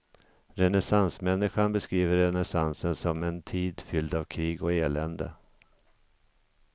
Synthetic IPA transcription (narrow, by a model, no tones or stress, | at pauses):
ɾɛnɛsansmɛnːɪɧanbɛskɾiːvəɾːɛnɛsansənsɔmɛnt̪ʰiːd̪fʏld̪avkʰɾiːɡɔeːlɛnd̪ə̰